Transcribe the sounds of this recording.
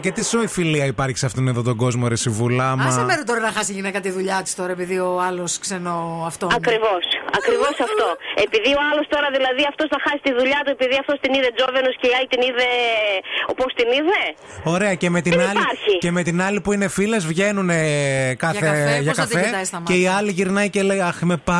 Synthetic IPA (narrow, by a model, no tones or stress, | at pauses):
cet̪isoifiliɐipɐɾçi̥sɐft̪oneðo̞t̪o̞ɡo̞zmoɾesivulɐmmɐsimeɾot̪oɾɐnɐxɐst̪iʝinekɐt̪iðuʎɐt̪i̥st̪oɾɐepiðioɐlosksenoɐft̪oɐkɾivo̞sɐkɾivosɐft̪oe̞piðio̞ɐlost̪o̞ɾɐðilɐðiɐft̪o̞sθɐxɐsi̥t̪iðuʎɐt̪ue̞piðiɐft̪ost̪iniðe̞d͡zovenosceiɐjt̪iniðe̞ | opost̪iniðe | oɾe̞ɐce̞me̞t̪iniɐlpiɐɾçiceme̞t̪inɐlipuine̞file̞zvʝe̞nunekɐθeʝɐkɐt̪feɐsɐmeiɐliʝiɾnɐjcelejɐxmepɐ